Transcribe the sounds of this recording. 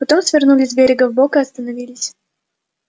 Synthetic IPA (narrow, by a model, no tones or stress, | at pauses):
pɐt̪omsvʲɪrnulʲɪsʲbʲeɾʲɪɡəvbokɨɐst̪ənɐvʲilʲɪsʲ